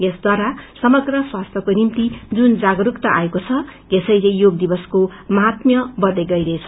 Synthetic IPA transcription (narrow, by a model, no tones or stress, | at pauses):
esd̪waɾasʌmʌɡrʌswast̪ʰjʌkonimt̪id͡zund͡zaɡʌɾukt̪ʌʔaekot͡sʰʌ | esʌjlejoɡ̚d̪ibʌskomɦat̪mjʌbʌd̪eɡʌjɾʌet͡sʰʌ̥